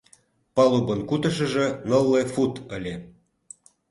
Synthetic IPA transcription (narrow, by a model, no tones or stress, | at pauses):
pɑlubənkut̪ə̆ʃə̆ʒə̆nə̆lˠːefut̪ə̆lʲe